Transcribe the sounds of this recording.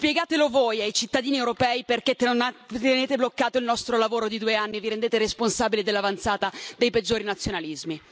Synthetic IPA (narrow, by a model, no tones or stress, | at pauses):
spjɛɡaːt̪elovojajt͡ʃit̪ːad̪iːniewɾopɛːiperket̪t̪eneːt̪eblokːaːt̪oilnɔst̪ɾolavoːɾod̪id̪uːeanːiviɾend̪eːt̪eɾesponsaːbiled̪elːavant̪saːt̪ad̪ejped͡ʒːoːɾinat̪sjonalizmi